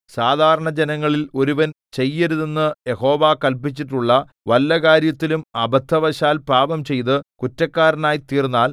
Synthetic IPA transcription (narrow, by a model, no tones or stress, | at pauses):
saːd̪ʱaːɾɐɳɐd͡ʑenɐŋːɐɭilo̞ɾuʋɐn | t͡ɕe̞jːeɾuðenːɨje̞ho̞ːʋaːkɐlpit͡ɕːiʈːuɭːɐ | ʋɐlːɐkaːɾjɐt̪ːilumɐbʱɐt̪ʰːɐʋɐɕaːlpaːbɐmt͡ɕe̞jt̪ɨkutːɐkːaːɾɐnaːjit̪iːrnːaːl